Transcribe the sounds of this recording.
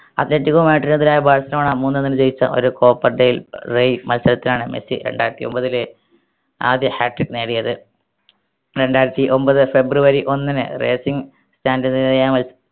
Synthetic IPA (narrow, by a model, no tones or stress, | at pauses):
ɐ̰ðnetːikoːmeːʈːɐrinɐðilaːjɐbaːɻsɐlɐmaːɳamuːnːenːinɨd͡ʑejit͡ɕːɐ̰ʔo̞̰ɾuko̞ːpːɐrɖejilrejmɐlsɐlɐt̪ːilaːɳɨmesḭɾe̞̰ɳɖaːjɾɐt̪ːio̞mbɐðile | aːd̪jɐhaːʈːrikːneːɽijɐðɨ | ɾe̞ɳɖaːjɾɐt̪ːiʔo̞mbɐðɨfe̞bruʋɐɾiʔo̞nːinɨ̰rḛːsiŋɡ | staːndenːiðɐjaːmɐls